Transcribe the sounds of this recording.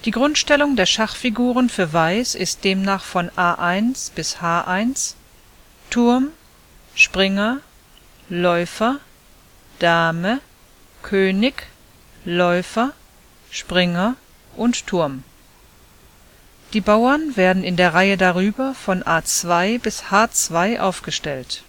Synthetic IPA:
d̥iːɡʁʊntʃtɛlʊŋdeːɐʃaχfiɡuːʁənfyːɐvaɪsɪst̚d̥eːmnaːχfɔnʔaːʔaɪnsb̥ɪshaːʔaɪns | tʰʊɐm | ʃpʁ̥ɪŋɐ | lɔʏfɐ | d̥aːmə | kʰøːnɪç | lɔʏfɐ | ʃpʁ̥ɪŋɐ | ʔʊnttʰːʊɐm | d̥iːbaʊɐnveːɐdn̩ɪndeːɐʁaɪədaʁyːbɐfɔnʔaːt͡sv̥aɪbɪshaːt͡sv̥aɪʔa̰ʊfɡ̥əʃtɛlt

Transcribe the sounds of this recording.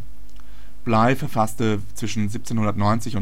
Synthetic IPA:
b̥laɪfɛɐfastə | t͡sv̥ɪʃn̩zip̚t͡seːnhʊndɐtnɔʏnt͡sɪçʊn

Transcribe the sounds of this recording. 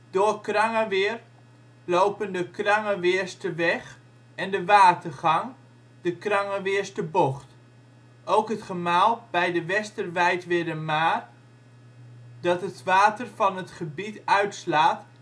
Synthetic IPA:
d̥oːkrɑŋəʋɪːr | lowpəndəkrɑŋəʋɪːɹstəʋɛχ | ɛndəʋaːtərχɑŋ | dəkrɑŋəʋɪːɹstəboχt | ʔowkɦətχəmaːlˠbɛjdəʋɛstərʋɛjtʋɪdəmaːr | dɑtɦətʋaːtərvɑnətχəbitœɥtslaːt

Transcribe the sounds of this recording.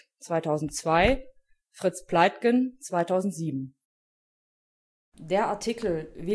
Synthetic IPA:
t͡sv̥aɪtʰaʊzn̩tt͡sv̥aɪ | fʁ̥ɪt͡spʰlaɪtkənt͡sv̥aɪtʰaʊzn̩tz̥iːbm̩ | deːɐʔaɐtʰikl̩vɪ

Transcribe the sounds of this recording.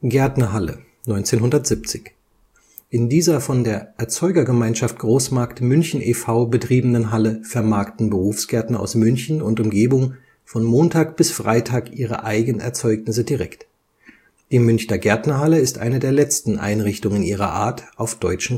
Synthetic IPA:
ɡ̥ɛɐtnɐɦalə̰ | nɔʏnt͡seːnɦʊndɐtz̥ɪp̚t͡sɪç | ʔɪndiːzɐfɔndeːɐʔɛɐt͡sɔʏɡɐɡəmaɪnʃaft̚ɡ̥ʁoːsmaɐktmʏnçn̩ʔefaʊbətʁ̥iːbənənɦaləfɛɐmaːɐktn̩bəʁuːfsɡ̥ɛɐtnɐʔa̰ʊsmʏnçn̩ʊntʊmɡeːbʊŋ | fɔnmoːntʰaːk̚b̥ɪsfʁ̥aɪtʰaːkʔiːʁ̞ə̰ʔaɪɡənɛ̰ɐt͡sɔʏknɪs̬ədiʁɛkt | d̥iːmʏnçnɐɡɛɐtnɐɦaləɪstʔa̰ɪnədeːɐlɛt͡stn̩ʔa̰ɪnʁɪçtʊŋənʔiːʁ̞ɐ̰ʔa̰ːɐtʔaʊfd̥ɔʏt͡ʃn̩

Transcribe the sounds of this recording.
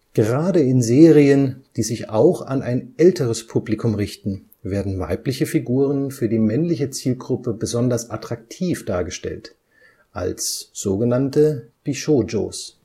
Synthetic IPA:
ɡ̥əʁaːdəɪnzeːʁiənd̥iːzɪça̰ʊxa̰nʔaɪnʔɛltəʁ̞əspʰuplikʰʊmʁɪçtn̩ | veːɐdn̩va̰ɪplɪçəfiɡuːʁ̞ənfyːɐdiːmɛnlɪçət͡siːlɡʁʊpəbəzɔndɐsʔatʁ̥ak̚tʰiːfd̥aːɐɡəʃtɛ̰lt | ʔa̰lsz̥oːɡənantəb̥iʃoːd͡ʒo̰ːs

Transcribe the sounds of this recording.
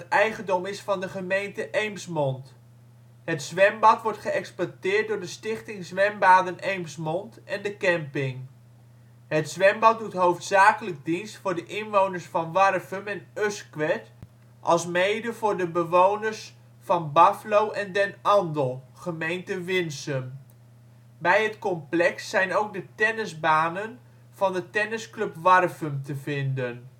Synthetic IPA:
tɛjχəndɔmɪsfɑndəχəmejntəʔejmsmɔnt | ɦətsʋɛmbɑtʋɔɹtχəɛkspɔtɪːrt̚dʊːɹdəstɪχtɪŋzʋɛmbaːdənejmsmɔntɛndəkɛmpɪŋ | ɦətsʋɛmbɑt̚dutɦowftsaːkələk̚dinstfʊːɹdəʔɪnʋownəɹsfɑnʋɑrfəmɛnøskʋɛt | ʔɑlˠsmejdəvʊːɹdəbəʋownərs | fɑnbaflowʔɛndɛnɑndəlˠ | χəmejntəʋɪnsəm | bɛjɦətkɔmplɛksːɛjnowk̚dətɛnəzbaːnən | fɑndətɛnəskløpʋɑrfəmtəvɪndən

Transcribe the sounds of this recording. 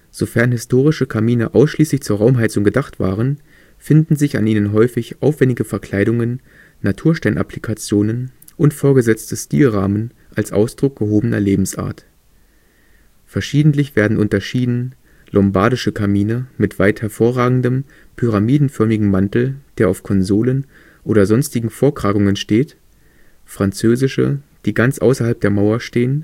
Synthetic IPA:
z̥ofɛɐnɦɪstʰoːʁ̞ɪʃəkʰamiːnəʔaʊsʃliːslɪçt͡suːɐʁaʊmɦaɪt͡sʊŋɡədaχtv̥a̰ːʁ̞ən | fɪndn̩zɪça̰nʔiːnənɦɔʏfɪçʔaʊfv̥ɛndɪɡəfɛɐkʰl̥aɪɾʊŋənː | atʰuːɐʃtaɪnʔa̰plikʰat͡sjoːnən | ʔʊntfoːɐɡəzɛt͡stəʃtḭːlʁaːmən | ʔalsʔa̰ʊsd̥ʁʊk̚ɡ̥əɦoːbənɐ̰leːbm̩sʔa̰ːɐt | fɛɐʃiːdn̩tlɪçv̥eːɐdn̩ʔʊntɐʃiːdn̩ | lʔɔmbaɐɾɪʃəkʰamiːnəmɪtv̥aɪthɛɐfoːɐʁaːɡŋ̩dəm | pʰyʁ̞amiːdn̩fœɐmɪɡŋ̩mantl̩d̥eːɐʔaʊfkʰɔnzoːlən | ʔoːɾɐzɔnstɪɡŋ̩foːɐkʁ̥aːɡʊŋənʃteːt | fʁ̥ant͡søːzɪʃə̰d̥iːɡant͡sʔa̰ʊsɐɦalp̚d̥eːɐmaʊɐʃteːən

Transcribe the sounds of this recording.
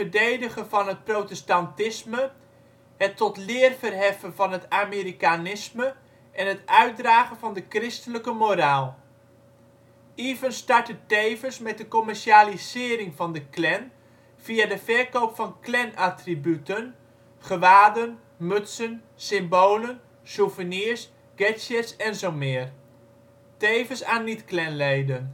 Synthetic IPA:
əɹdejdəχəvɑnɦət̚prowtɛstɑntɪsmə | hətːɔtlɪːərvərɦɛfənvɑnɦətameɾikanɪsmə | ʔɛnɦətœɥt̚draːχənvɑndəkrɪstələkəmoɾaːlˠ | ivənstɑɹtətejvənsmɛt̚dəkɔmɛɹʃalizɪːɾɪŋvɑndəklɛn | v̥iadəvɛɹkowpfɑnklɛnʔatribytən | χəʋaːdən | mɵtsən | sɪmboːlən | suvəniəɹs | ɡ̥ɛsətsɛnzowmɪːər | tejvənsaːnːitklɛnlejdən

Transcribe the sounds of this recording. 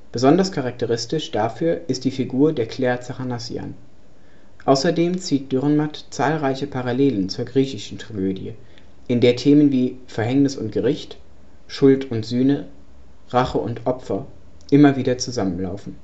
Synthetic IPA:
b̥əzɔndɐskʰaʁak̚təʁɪstɪʃd̥afyːɐʔɪst̚d̥iːfiɡuːɐdeːɐkʰl̥ɛːɐt͡saʁanasj̰a̰n | ʔaʊsɐdeːmt͡siːt̚d̥ʏʁnmatt͡saːlʁaɪçəpʰaʁaleːlənt͡suːɐɡʁiːçɪʃn̩tʁ̥aɡøːdjə | ʔɪndeːɐtʰeːmənviːfɛɐɦɛŋnɪsʊnt̚ɡ̥əʁɪçt | ʃʊltʰʊntz̥yːnə | ʁaχəʔʊ̰ntʔɔpfɐ | ʔɪmɐviːdɐt͡suzamənla̰ʊfn̩

